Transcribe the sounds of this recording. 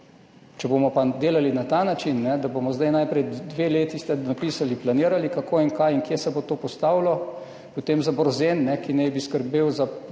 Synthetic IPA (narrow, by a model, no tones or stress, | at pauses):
t͡ʃɛbomɔpad̪eːlalinat̪aːnat͡ʃinːɛd̪aboːmɔzd̪ajnajpɾɛjd̪ʋeleːt̪ist̪ɛnapiːsaliplaniːɾalikakoːiŋkajiŋkjesɛbot̪oːpɔst̪awlɔ | pot̪eːmzabɾɔzenːɛkinɛjbiskəɾbeːwza